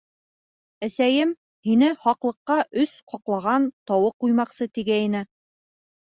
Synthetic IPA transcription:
æsæjɘm | hinɘhɑqlˠɤ̆qːɑʔɵsqɑqlˠɑʁɑnt̪ɒwɤq̚ːujmɑqsɤt̪iɡæinɘ

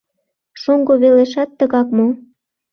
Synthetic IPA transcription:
ʃoŋɡoβeleʃɑt̪ːəɣɑkmo

